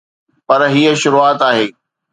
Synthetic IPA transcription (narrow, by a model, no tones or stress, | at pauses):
pɐɾɦiːəʃʊɾuaːt̪aːɦeː